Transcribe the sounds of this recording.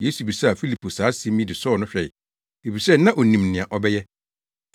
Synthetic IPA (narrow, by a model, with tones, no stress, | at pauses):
jeː˦su˨bi˨sa˦a˨fi˦li˨pʰo˨saː˨˦sẽ˦mĩ˦dɪ˨sɔ˦˨nʊ̃˦ɕᶣɛ˨ɪ˨ | e˨bi˨sɛ˦nã˦ʔo˨nĩ˨mnɪ̃˨ã˨ʔɔ˨bɛ˦jɛ˦